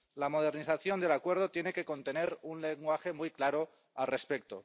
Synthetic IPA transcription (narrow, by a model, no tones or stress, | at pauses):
lamo̞ð̞e̞ɾniθaθjo̞nd̪e̞lakwe̞ɾð̞o̞t̪jene̞keko̞nt̪e̞ne̞ɾunleŋɡwaxe̞mujklaɾo | alre̞spe̞k̚t̪o̰